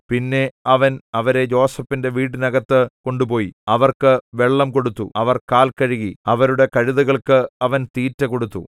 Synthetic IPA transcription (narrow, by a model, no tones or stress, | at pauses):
pinːe̞ɐʋɐnɐʋɐɾe̞d͡ʑo̞ːsɐfːinde̞ʋiːɽɨnɐɣɐt̪ːɨko̞ɳɖupo̞ːjiɐʋɐrkɨʋe̞ɭːɐmko̞ɽut̪ːṵɐʋɐrkaːlkɐɻiɣiɐʋɐɾuɽe̞kɐɻiðɐɣɐɭkɨɐʋɐnt̪iːtːɐko̞ɽut̪ːu